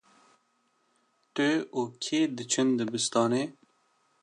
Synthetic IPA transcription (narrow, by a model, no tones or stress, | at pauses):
ʈeoːkʰeːd̪ət͡ʃʰənd̪əbɪst̪ɑːneː